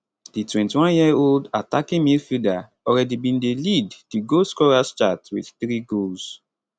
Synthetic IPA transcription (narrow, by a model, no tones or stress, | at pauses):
d̥itwɛ̃ntiwɔ̃njioldatakĩmilfida | ɔɹɛdibĩndeliddiɡoskɔɹast͡ʃatwiθθɹiɡols